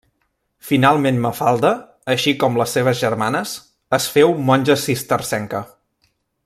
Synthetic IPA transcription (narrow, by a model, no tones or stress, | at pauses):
finalˠmenməfalˠd̪əː | ʃikɔmləsːeβ̞əzʒərmanəs | əsfewmɔnʲʒəsist̪ərsɛŋkə